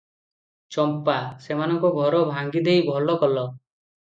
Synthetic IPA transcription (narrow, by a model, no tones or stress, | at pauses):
t͡ʃɔmpasemanɔŋkuɡʱɔɾɔbʱaŋɡid̪ʱejbʱɔlɔkɔlɔ